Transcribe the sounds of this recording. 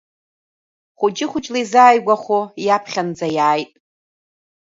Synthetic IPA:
χʷʊd͡ʒʼɪχʷʊt͡ʃʼlajzaːjɡʷaχʷojapʰχʲand͡zajaːjtʼ

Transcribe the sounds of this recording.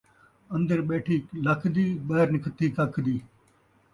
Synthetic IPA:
ɐ̃nd̪əɾɓeːʈʰiːlɐkʰd̪iːɓɐɾnɪkʰt̪iːkɐkʰd̪iː

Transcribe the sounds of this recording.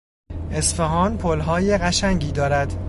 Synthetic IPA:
ʔe̞sfeɦɒːnpʰolɦɒːjeɣæʃæŋɟiːd̪ɒːɾæd̪

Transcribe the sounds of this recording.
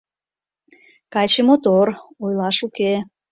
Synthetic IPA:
kɑjt͡ɕəmot̪orojlɑʃuke

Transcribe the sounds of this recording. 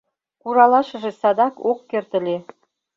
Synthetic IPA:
kuɾɑlˠɑʃɤ̆ʒĕsɑd̪ɑkokːĕrt̪ɘ̆lʲe

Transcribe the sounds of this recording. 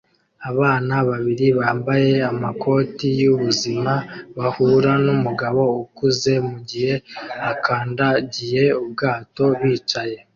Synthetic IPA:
aβaːnaβaβiɾiβaːmbaje̞amakʰo̞ːtijuβuzimaβahuɾanumuɡaβo̞ukuze̞muɟihe̞akʰaːndaɟije̞ub̚ɡaːto̞βiːt͡ʃaje̞

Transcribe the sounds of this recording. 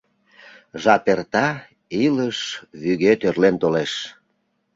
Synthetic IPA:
ʒɑt̪ert̪ɑ | iləʃβyɣet̪ørlent̪oleʃ

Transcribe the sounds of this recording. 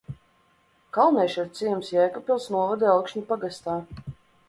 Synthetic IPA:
kalˠnɛjʃaɾt̪sijɛmsjɛjkɔpʲilˠsnuɔvad̪ɛawkʃɲupaɡast̪aː

